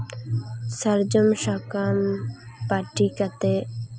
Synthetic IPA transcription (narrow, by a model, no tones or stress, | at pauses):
səɾd͡ʒʊmʃakaːmpaːʈikat̪e